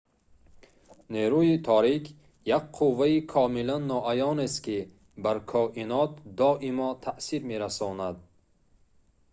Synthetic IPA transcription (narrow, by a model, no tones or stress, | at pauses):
neɾuit̪ʰɔɾikʰ | jak̚qʰuvːaikʰɔmilanːɔʔajɔnest̪ki | baɾkʰɔʔinɔt̪̚d̪ɔʔimɔt̪ʰaʔsiɾme̞ɾasɔnad̪̚